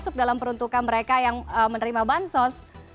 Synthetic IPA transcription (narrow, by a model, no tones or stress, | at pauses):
sʊk̚dalampəɾunt̪ukanməɾekajaŋəmənəɾimabansɔs